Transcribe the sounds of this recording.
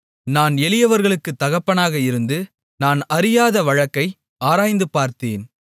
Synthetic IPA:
naːnɛlɪjɐʋɐɾɣɐɭɯkːɯt̪ːɐɣɐpːɐnaːɣɐɪɾɯnd̪ɯ | naːnɐɾɪjaːðɐʋɐɻɐkːɐɪ | aːɾaːjnd̪ɯpaːɾt̪eːn

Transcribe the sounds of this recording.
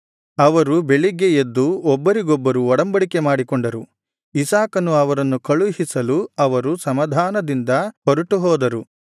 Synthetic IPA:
ɐʋɐɾubeɭiɡejed̪ːuɔbːɐɾiɡɔbːɐɾuɔɽɐmbɐɽikemaːɽikɔɳɖɐɾu | isaːkɐnuɐʋɐɾɐnːukɐɭuɦisɐluɐʋɐɾusɐmɐd̪ʱaːnɐd̪ind̪ɐpoɾuʈuɦɔːd̪ɐɾu

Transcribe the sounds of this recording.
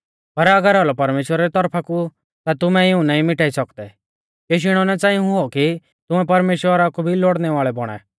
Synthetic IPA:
pɐɾɐɡəɾɔlɔpɐɾmeːʃwəɾaɾit̪ɔɾpʰaku | t̪at̪ʊmɛɪũnãːĩmɪʈaːisɔkd̪ɛ | keʃ̬ɪɽ̃ɔnɛt͡sãːĩɦʊɔki | t̪ʊmɛp̬ɐɾmeːʃwəɾakubʱiloɽnɛʋaːɭɛbɔɽ̃ɛ̰

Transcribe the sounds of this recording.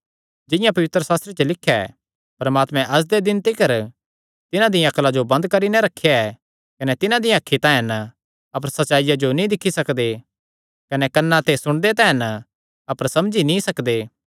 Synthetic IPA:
d͡ʒɪ̃jãpɐʋɪt̪ɾəsaːst̪ɾet͡ʃəlɪkʰːjaɛ̰ | pɐɾəmaːt̪mɛ̃ʔɐs̬d̪ed̪ɪnt̪ikɐɾ | t̪ɪnãd̪ɪjãɐklad͡ʒobɐ̃nd̪kɐɾinɛɾɐkʰːjaɛ | kɐnɛt̪ɪnãd̪ɪjãɐkʰːit̪ãːɛn | ɐpəɾsɐtːt͡ʃaːɪjad͡ʒonĩd̪ɪkʰːisɐkd̪e | kɐnɛkɐnːãt̪esʊɽ̃d̪et̪ɛ̃ːɦɛn | ɐpəɾsɐ̃md͡ʒinĩsɐkd̪eː

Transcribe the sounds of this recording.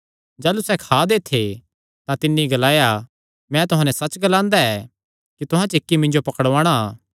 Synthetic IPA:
d͡ʒaːlusɛkʰaːd̪eːt̪ʰe | t̪ãt̪ɪnːiɡɐlaːja | mɛ̃t̪ʊɦãːnɛsɐt͡ʃɡɐlãːnd̪aɛ | kit̪ʊɦãt͡ʃekːimɪ̃ɲd͡ʒopɐkəɽʋãːɽ̃a

